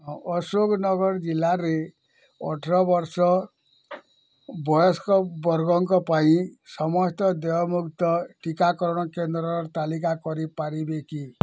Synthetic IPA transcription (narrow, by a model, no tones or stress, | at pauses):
ɦɔsoknɔɡɔɾd͡ʒilːaɾe | ɔ̰ʈʰɔɾɔbɔɾsɔ | bɔjɔskɔbɔɾɡɔŋkɔpaĩsɔmɔst̪ɔd̪ɔjɔmukt̪ɔʈikakɔɾɔɽ̃ɔkend̪ɾɔɾɾt̪alikakɔɾipaɾibeki